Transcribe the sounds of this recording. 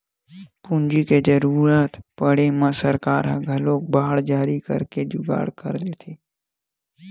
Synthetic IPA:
pũnd͡ʒiked͡ʒəɾuːɾət̪pəɽemə̃səɾkaːɾɦã̰ɡʱɐloːk̚baːɽd͡ʒaːɾikə̰ɾked͡ʒʊɡa̰ːɽkə̰ɾlet̪ʰeː

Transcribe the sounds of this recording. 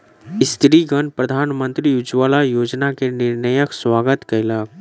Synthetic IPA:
ɪst̪ʰɾiɡənpɾəd̪ʱaːnmə̃nt̪ɾiʊd͡ʒʋaːlajoːd͡ʒnakenɪɾnəjəkswaːɡət̪kaɪlaːk̚

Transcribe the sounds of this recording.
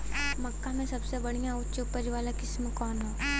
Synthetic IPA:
məkːamẽsəbsebəɽ̤̃ijãutːopəɾiʋalakisməkɔnɔ

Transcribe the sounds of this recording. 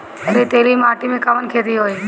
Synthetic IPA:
ɐɾit̪eːlimaːʈimẽkəʋənkʰeːd̪iɦoːiː

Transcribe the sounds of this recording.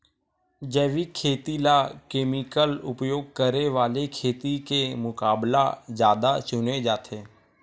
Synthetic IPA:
d͡ʒɛːʋikʰːeːt̪ilakeːmɪkəlʊpjoːɡ̚kəɾeʋaːlekʰeːt̪ikemʊkaːblad͡ʒjaːd̪at͡ʃʊned͡ʒaːt̪ʰeː

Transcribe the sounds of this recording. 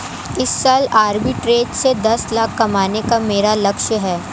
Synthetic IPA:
ɪsːaːlaːɾbɪʈɾeːʈsed̪ɐslaːkːɐmaːnekameːɾalɐkʃɦɛː

